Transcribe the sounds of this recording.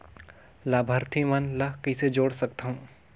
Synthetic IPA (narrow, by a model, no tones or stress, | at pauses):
laːbʱəɾt̪ʰimɐnlɐɦkised͡ʒoːɽsɐkt̪aɦũː